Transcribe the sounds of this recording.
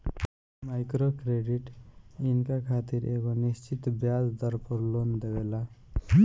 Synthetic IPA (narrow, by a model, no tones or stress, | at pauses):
majkɾokɾeɖiʈinkakʰat̪iɾḛːɡonist͡ʃit̪bjad͡ʒd̪ɔɾpɔɾlond̪ebela